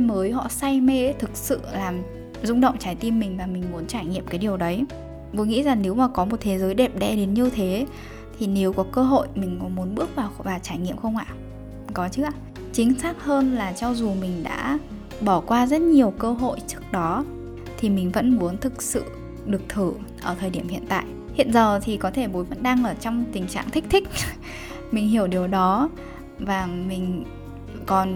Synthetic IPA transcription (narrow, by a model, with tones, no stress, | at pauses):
məː˨˦jɦɔ̰˧˨sa˧jme˧t̪ʰɨ˨˩k̚sɨ̰˧˨laː˨˩m | zʊ˧ŋ͡mɗə̰˧˨wŋ͡mt͡ɕaː˧˩jt̪i˧mːï˨˩ŋ̟vaː˨˩mï˨˩ŋ̟mu˨˦ənt͡ɕaː˧˩jɲḭ˧˨əmkaː˨˦jɗi˨˩əwɗə˨˦j | t̪o˨˦jŋḭ˧˥za˨˩ŋne˨˦wmaː˨˩kɔ˨˦mo˨˩t̚t̪ʰe˨˦zəː˨˦jɗe˨˩p̚ɗɛ˧ɗe˨˦nɲɨ˧t̪ʰe˨˦ | t̪ʰi˨˩ne˨˦wkɔ˨˦kəː˧ɦo̰˧˨jmï˨˩ŋ̟kɔ˨˦mu˨˦ənɓɨ˦˥ək̚vaː˨˩wvaː˨˩wt͡ɕaː˧˩jɲḭ˧˨əmxə˧wŋ͡mʔa̰ː˧˨ | kɔ˨˦t͡ɕɨ˦˥a˧˨ | t͡ɕï˨˦ŋ̟saː˦˥k̚həː˧nlaː˨˩t͡ɕɔ˧wzu˨˩mï˨˩ŋ̟ɗa̰ː˧˥ | ɓɔ˧˩kwaː˧zə˦˥t̚ɲi˨˩əwkəː˧ɦo̰˧˨jt͡ɕɨ˦˥ək̚ɗɔ˨˦ | t̪ʰi˨˩mï˨˩ŋ̟və̰˧˥nmu˨˦ənt̪ʰɨ˨˩k̚sɨ̰˧˨ | ɗɨ˨˩ək̚t̪ʰɨ˧˩ʔəː˧˩t̪ʰəː˨˩jɗi˧˩əmhḭ˧˨ənt̪a̰ː˧˨j | hḭ˧˨ənzəː˨˩t̪ʰi˨˩kɔ˨˦t̪ʰe˧˩ɓo˨˦jvə̰˧˥nɗa˧ŋʔəː˧˩t͡ɕɔ˧wŋ͡mt̪ï˨˩ŋ̟t͡ɕa̰ː˧˨ŋt̪ʰï˦˥k̚t̪ʰï˦˥k̟̚ | mï˨˩ŋ̟ɦi˧˩əwɗi˨˩əwɗɔ˨˦ | vaː˨˩mï˨˩ŋ̟ | kɔ˨˩n